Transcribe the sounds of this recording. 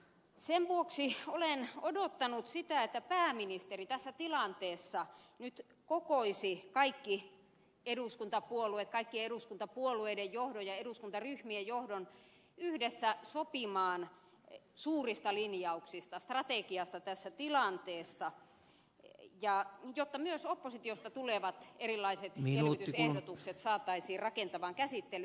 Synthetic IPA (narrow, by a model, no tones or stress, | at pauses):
semʋuoksiolenodot̪ːɑnut̪sit̪æet̪ːæpæːminist̪erit̪æsːæt̪ilɑnt̪eːsːɑnyt̪ | kokoisikɑikːi | eduˑskunt̪ɑpuoluet̪kɑikːieeɾuskunt̪ɑpuolueidejjohdojɑeduskunt̪ɑryhmiejjohdon | yhdesːæsopimɑːn | suːrist̪ɑlinjɑuksist̪ɑst̪rɑt̪ekiɑst̪ɑt̪æsːæt̪ilɑnt̪eːsːɑ | jɑjot̪ːɑmyøsopːosit̪iost̪ɑt̪uleʋɑt̪erilːˑɑiset̪ielit̪ysehdot̪ukset̪sɑːt̪ːɑisiːrɑkent̪ɑʋɑŋkæsit̪ːely